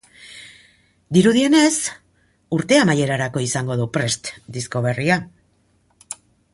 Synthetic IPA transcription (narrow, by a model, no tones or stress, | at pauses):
d̪iɾuðie̞ne̞s | uɾt̪e̞amaje̞ɾaɾako̞isaŋɡo̞ð̞upɾe̞st̪d̪isko̞β̞e̞ria